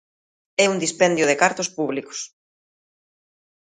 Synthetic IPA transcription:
ɛund̪ispɛnd̪jʊð̞ekaɾt̪ospuβliko̥s

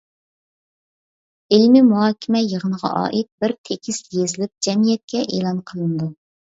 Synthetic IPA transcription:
ɪlmimuɦɑːkʲʰɪmɛjəʁənəʁɑ̰ʔɑ̰ːʔit̪̚bɪɾt̪ʰekʲʰist̪jezɪlɪp̚d͡ʒɛmijɛt̪̚kʲɛʔeːlˠɑnqʰəlˠɨnɨd̪u

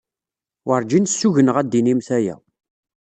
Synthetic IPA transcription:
əɾˤd͡ʒinsːuʝənəʁæd̪ːinimθæjæ̰

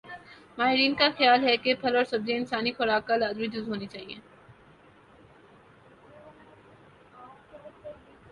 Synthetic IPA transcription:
maːɦɪɾiːnkaxjaːlɦɛkepʰɐlɔːɾsɐbzeɪnsaːnixʊɾaːkːalaːd̪ɾid̪ʊzɦoːnit͡ʃaːɦieː

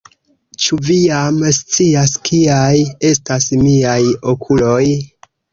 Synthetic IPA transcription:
t͡ʃuvijamst͡siaskʰiaje̞stasmiajo̞kʰulo̞j

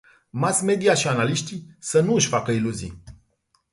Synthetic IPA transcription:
masme̞d̪iaʃianaliʃt̪isənuɨʃʲfakəiluzḭ

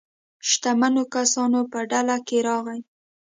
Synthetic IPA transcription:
ʃt̪amanokasɑnopəɖalakeɾɑɣaj

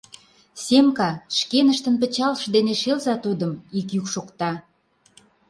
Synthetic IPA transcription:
sʲemkɑʃkenəʃt̪ə̆np̬ə̆t͡ɕɑlʃd̪eneʃelzɑt̪ud̪ə̆mikjykʃokt̪ɑ

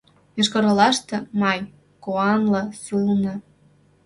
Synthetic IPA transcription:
jeʃkɤ̆ɾɤ̆lɑʃt̪ɤ̆mɑj | koɑnlɤ̆sulnɤ̆

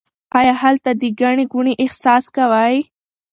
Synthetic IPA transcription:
ɑjɑhalt̪ad̪əɡaɳeɡʊɳeʔɪhsɑskawaj

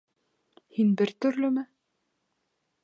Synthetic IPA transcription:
hinbɘɾt̪ɵ̆ɾlɵmɘ

